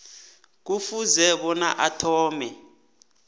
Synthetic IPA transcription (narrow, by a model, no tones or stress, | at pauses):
k̬ufuzɛɓɔnaʔatʰɔːmɛ